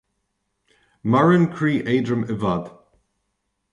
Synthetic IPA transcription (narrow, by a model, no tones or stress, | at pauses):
maɹənkʰɹiːʔeːdɹəməvad̪